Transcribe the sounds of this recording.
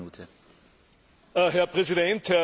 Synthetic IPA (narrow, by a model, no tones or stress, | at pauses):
uːtʰə | ɦɛɐpʁ̥ɛsidɛnthɛ